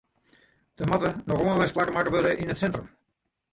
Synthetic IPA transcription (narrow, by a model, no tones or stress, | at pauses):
d̥əmɑtənɔxonəʋɛjsplakəmakəʋøləʔinətsɛntrəm